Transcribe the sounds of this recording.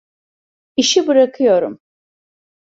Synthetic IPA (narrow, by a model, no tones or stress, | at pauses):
iʃibɯɾɐkʰɯjoɾum